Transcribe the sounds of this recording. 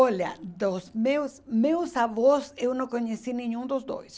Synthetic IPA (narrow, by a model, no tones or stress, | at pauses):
ɔʎɐ̰d̪osmewsmewsaβosewnɐ̃w̃koɲesinĩɲũd̪ʊzd̪o̰js